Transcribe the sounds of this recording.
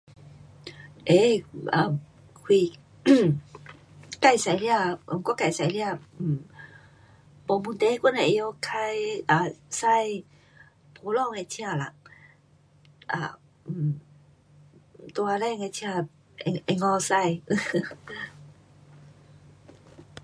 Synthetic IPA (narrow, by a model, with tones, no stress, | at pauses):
ʔe˧˦a˧˩ | kʰwi˧˩ | ka˥˧˨jsa˧jli˧˦a˧˨kɔ˥˨ka˧˨jsa˧jla˧˩˧ | po˧˦mu˧nt̪e˧˦kʷu˥˨na˧˨ʔjo˧kʰa˧jʔa˧˩sa˥˧j | pʰo˨˧˦lɔ˥˨ŋe˧tʰi˧a˧˨la̰˧˨ | ʔa˧˩˨ | t̪u˧a˧lɛ˥˧˨ŋe˧t̪ʰi˧a˧˩ | e˧ʔe˧ŋɔ˧sa˧j